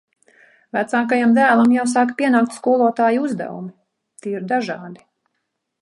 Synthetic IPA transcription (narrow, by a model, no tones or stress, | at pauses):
væt̪saːkajamd̪æːlˠamjaws̬aːkpiɛnaːkt̪skuɔlˠuɔt̪aːjuzd̪ɛ̰vṵmi | t̪iiɾd̪aʒɑːd̪i̥